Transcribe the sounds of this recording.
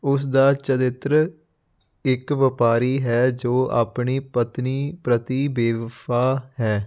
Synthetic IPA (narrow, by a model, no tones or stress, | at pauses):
ʊs̬d̪aːt͡ʃəɾɪt̪ɾə | ɪkʋəpaːɾiːɦɛːd͡ʒoːa̰ːpɳiːpət̪niːpɾət̪iːbeːʋpaːhɛː